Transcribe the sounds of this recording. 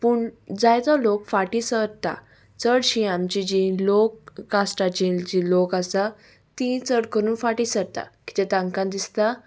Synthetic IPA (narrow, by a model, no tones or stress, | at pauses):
puːɳd͡zajt̪ɔlokfaʈisəɾt̪a̰ | t͡səɽɕĩamt͡ɕid͡ʑĩlokːasʈat͡ɕĩd͡ʑĩlokasa | t̪ĩt͡səɽkəɾuːnfaʈisəɾt̪a̰ki̥t̪ɛt̪ãŋkãnd̪ist̪a